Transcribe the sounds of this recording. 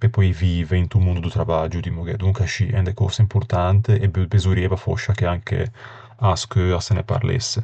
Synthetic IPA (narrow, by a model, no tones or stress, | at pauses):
pepɔjviːveint̪umund̪ud̪ut̪ɾavad͡ʒud̪imuɡɛd̪uŋkaʃiʔɛ̰nd̪ekɔ̰saimpuɾt̪ant̪eʔɛbbezuɾjɛvafɔ̰ʃːakeaŋkʰḛ | askøasenepa̰ɾlḛsːe